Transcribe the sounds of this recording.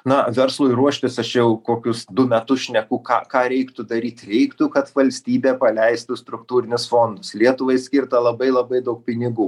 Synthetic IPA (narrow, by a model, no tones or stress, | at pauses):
nɐʋʲɛɾslˠʊːɪɾuɔʃʲt̪ʲɪsɐʃjɛʊkoːkʲʊsd̪ʊmʲɛt̪ʊsʃʲnʲɛkʊːkɑ̰ːkɑːɾʲɛɪkt̪ʊd̪ɐɾʲiːt̪ʲɾʲɛɪkt̪ʊkɐt̪ʋɐlʲsʲt̪ʲiːbʲeːpɐlʲɛɪst̪ʊst̪ɾʊkt̪uːɾʲɪnʲɪsfoːnd̪ʊslʲiɛt̪ʊʋɐɪsʲkʲɪrt̪ɐlˠɐbɐɪlˠɐbɐɪd̪ɐʊk̚pʲɪnʲɪɡuː